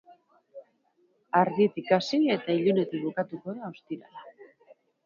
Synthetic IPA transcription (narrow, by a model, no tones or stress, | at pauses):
aɾðit̪ikasie̞t̪aiʎune̞t̪iβukat̪uko̞ðaost̪iɾa̰la